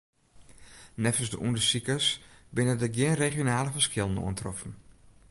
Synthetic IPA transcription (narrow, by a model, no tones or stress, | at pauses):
nɛfəsdə̰ʔundəsikəsbɪnədəɡjɪənreχjonaːləfəskɪlˠəno̰əntrɔfn̩